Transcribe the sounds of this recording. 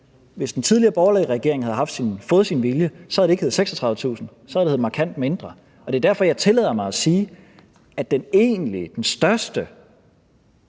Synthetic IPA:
ʋe̝sd̥ent͡sʰið̞ˠliɐːb̥ɒʊɐlɛʁɛɡ̥e̝ɐŋhæð̩ˠɦɑ̈fd̥sinfɔ̽ːð̩ˠsinʋiljəsɒ̽hæðˠde̝ɡ̥he̝ð̩ˠseɡsɒt͡sʰʁɑ̈ðˠət͡sʰṵːsn̩ | sɒæðˠdeheð̩ˠmɑ̈kʰæn̰d̥me̝nd̥ʁɐ | ɒ̽d̥e̝ɐd̥æɐfɒ̽jɑ̈ɪt͡sʰe̝lɛ̰ːð̰ˠɐmɑ̈ɪæsiː | æd̥ene̝̰ːnlid̥ensd̥ɶɐsd̥ə

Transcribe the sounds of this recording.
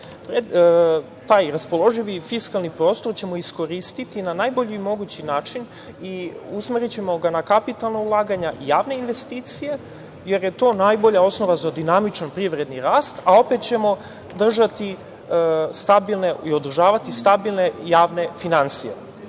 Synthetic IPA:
pɾe | t̪aːjɾaspo̞lˠo̞ʒiʋifiskalˠnipɾoːst̪o̞ɾt͡ɕe̞mo̞isko̞ɾist̪it̪inanaːjbo̞ʎiːmo̞ɡut͡ɕinaːt͡ʃin | iusmeɾit͡ɕe̞mo̞ɡanakapit̪alˠnaulˠaːɡaɲaʔijaːʋne̞inʋe̞st̪iːt̪sije̞ | je̞ɾje̞t̪o̞ːnajbo̞ʎao̞sno̞ʋazad̪inamit͡ʃanpɾiʋɾe̞d̪niɾaːst̪ao̞pet̪̚t͡ɕemo̞ | d̪r̩ʒat̪i | st̪abilˠne̞io̞d̪r̩ʒaːʋat̪ist̪abilˠne̞jaːʋne̞finansije̞̰

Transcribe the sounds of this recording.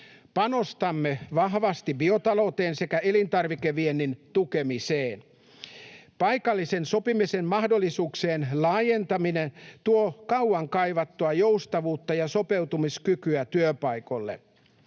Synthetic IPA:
pɑno̞st̪ɑmːeʋɑɦʋɑst̪ibiot̪ɑlo̞t̪eːnse̞kæelint̪ɑrʋikeʋienːint̪ukemiseːn | pɑikɑlːisenso̞pimisemmɑhdolːisuːkseːnlɑːjent̪ɑminent̪uokɑwɑŋkɑiʋɑt̪ːuɑjoust̪ɑʋuːt̪ːɑjɑso̞pe̞wt̪umiskykyæt̪yøpɑiko̞lːḛ

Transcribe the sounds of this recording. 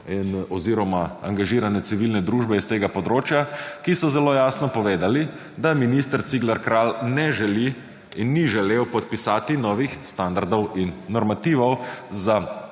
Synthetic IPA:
inɔziːɾɔmaa̰ŋɡaʒiːɾanɛt̪siʋilnɛd̪ɾuːʒbɛist̪eːɡapɔd̪ɾoːt͡ʃjakisɔzɛloːjaːsnɔpɔʋeːd̪ali | d̪aminist̪əɾt̪siɡlaɾkɾaːlnɛʒɛli | inːiʒɛleːwpɔt̪̚pisaːt̪inɔːʋixst̪and̪aɾd̪ɔwinːɔɾmat̪iːʋɔwza

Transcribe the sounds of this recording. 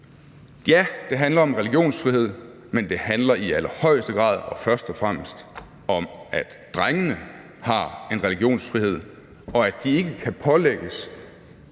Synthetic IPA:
jæd̥e̝ɦænlɐɒ̽mʁɛliɡ̥jo̝̰ːnsfʁiɦe̝ð̞̰ˠ | mend̥e̝hænlɐʔiælɐhɒ̽ɪ̰sd̥əɡ̥ʁɑ̰̈ːð̞ˠɒ̽fɶɐsd̥ɒ̽fʁam̰əsd̥ | ɒ̽mʔæd̥d̥ʁaŋənə | hɑ̈e̝nʁɛliɡ̥jo̝̰ːnsfʁihe̝ð̰ˠ | ɒ̽ædd̥ie̝ɡ̥əkʰæpʰɒ̽leɡ̥əs

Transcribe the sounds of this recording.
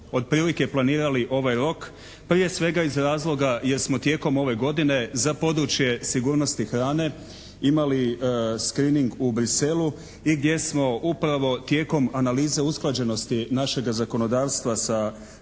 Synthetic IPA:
o̞d̪̚pɾiːlike̞plˠaniːɾaliʔo̞ʋajɾo̞k | pɾije̞sʋe̞ɡaizɾaːzlˠo̞ɡaje̞ɾsmo̞t̪je̞ːko̞mo̞ʋe̞ɡo̞d̪ine̞zapo̞d̪ɾut͡ʃje̞siɡuːɾno̞st̪ixɾaːne̞ | imaliskɾiniŋɡubɾise̞lu | iɡd̪je̞smo̞ʔupɾaʋo̞t̪je̞ːko̞manaliːze̞usklˠad͡ʑe̞no̞st̪inaʃe̞ɡazako̞no̞d̪aːʋst̪ʋasa

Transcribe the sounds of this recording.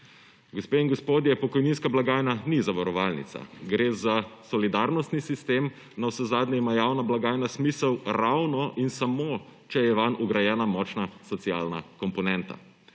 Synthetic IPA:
ɡospeinɡospoːd̪jɛpɔkɔjninskablaɡaːjnanizaʋaɾɔʋaːlnḭt̪sa̰ɡɾeːzasɔlid̪aɾnɔst̪nisist̪em | nawsɛzaːd̪nʲɛimajawnablaɡaːjnasmiːsəwɾawnɔʔinsamot͡ʃɛjɛʋanuɡɾajɛːnamɔt͡ʃnasɔt̪sialnakɔmpɔnɛnt̪a̰

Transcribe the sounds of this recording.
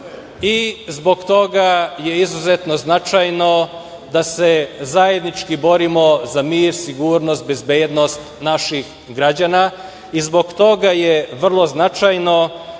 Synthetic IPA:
izbo̞ɡt̪o̞ɡaje̞izuzet̪no̞znat͡ʃajno̞ | d̪asezaje̞d̪nit͡ʃkibo̞ɾimo̞zamiːɾsiɡuːɾnost̪̚be̞zbeːd̪no̞st̪naʃix | ɡɾad͡ʑana | izbo̞ɡt̪o̞ɡajeʋr̩lˠo̞znat͡ʃajno̞

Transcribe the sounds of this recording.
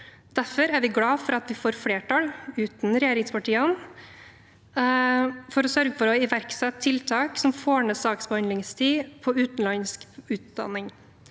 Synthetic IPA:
d̪̥æɾfɔɾæɾʋɪɡlɑːfɔɾɑt̪ʋɪfoːɾfɽeːʈʰɑlʉːt̪n̩ɾɛjeːɾɪŋspʰɑʈiːən | fɔɾɔsœɾɡəfɔɾɔɪʋæɾksɛt̪ʰːɪlt̪ʰɑːksɔmfoːɳəsɑːksbəhɑnd̪lɪŋst̪ʰiːpʰɔʉːt̪n̩lɑnskʉːt̪̚d̪ɑ̰nːɪŋ

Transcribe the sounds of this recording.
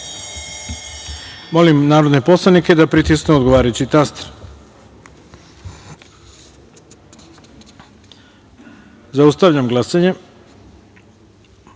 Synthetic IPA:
mo̞limnaːɾo̞d̪nepo̞slˠanike̞d̪apɾit̪iskneod̪ɡoʋaːɾajut͡ɕit̪ast̪ɾ | zaust̪aʋʎamɡlˠasaɲe

